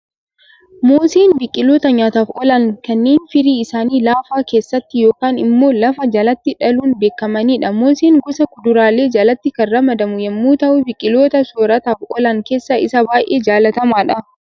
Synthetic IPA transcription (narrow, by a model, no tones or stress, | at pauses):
moːseːnbɪkʼːɪlo̞ːt̪ɐɲaːt̪aːfɔlɐŋkɐnːe̞ːnfɪɾiːɪsaːniːlaːfaːke̞ːsːɐt̪ːɪjo̞ːkaːnɪmːo̞ːlɐfɐd͡ʒɐlɐt̪ːɪᶑɐluːnbe̞ːkːɐmɐniːᶑɐmoːseːŋɡʊsɐkʊd̪ʊɾaːle̞ːd͡ʒɐlɐt̪ːɪkɐrɐmɐd̪ɐmʊjɛmːuːt̪ɐʔʊbɪkʼːɪlo̞ːt̪ɐsoːɾɐt̪aːfɔlɐŋke̞ːsːɐʔɪ̰sɐbaːjʔe̞ːd͡ʒaːlɐt̪ɐmaːᶑɐ